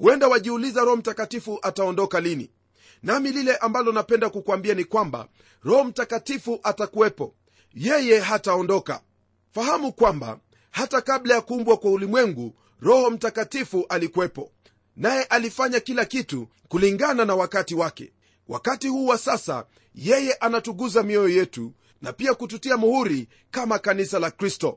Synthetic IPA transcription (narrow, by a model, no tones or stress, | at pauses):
huwɛndawaʄiulizaɾɔhɔm̩takatifuʔataɔndɔkalinḭ | namililɛʔambalɔnapɛndakukuambianikwamba̰ | ɾɔhɔm̩takatifuʔatakuwɛpɔ | jɛjɛɦataɔndɔka̰ | faɦamukwamba̰ | hatakablajakumbwakwaulimwɛŋɡu | ɾɔhɔm̩takatifuʔalikuwɛpɔ | najɛʔalifaɲakilakitu | kuliŋɡananawakatiwakɛ̰ | wʔa̰katihuːwasasa̰ | jɛjɛʔanatuɡuzamiɔjɔjɛtu | napiakututiamuhuɾi | kamakanisalakɾistɔ̰